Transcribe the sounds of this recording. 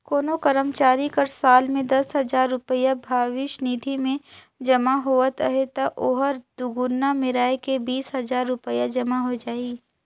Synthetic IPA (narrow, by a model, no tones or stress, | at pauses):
koːnokɐɾəmt͡ʃaːɾikɐɾsaːlmẽd̪ɐsɦɐzaːɾːʊpəjabʱaːʋɪʃniːd̪ʱimẽ | d͡ʒɐmaɦoːət̪əɦet̪ɐʔoːɦəɾd̪ʊɡʊnːamɪɾaːekebiːsɦɐzaːɾːʊpəjad͡ʒɐmaɦod͡ʒaːiː